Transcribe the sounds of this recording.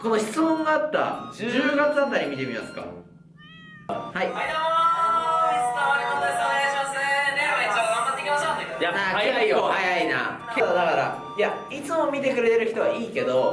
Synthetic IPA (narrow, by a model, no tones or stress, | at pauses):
ko̞no̞çi̥t͡sɨmõ̞ŋɡaːt̪ːa̰d͡ʑɨːɡat͡sɨat̪aɾʲimʲit̪e̞mʲima̰sɨ̥ka̰ | hai | oamat̪ːekʲimaɕoejaaːkaohajaina̰ | ked̪od̪akaɾa̰ | ja | it͡sɨmo̞mʲit̪e̞kɯ̟ɾe̞t̪e̞ɾɯ̟çi̥t̪o̞βaiːke̞d̪o̞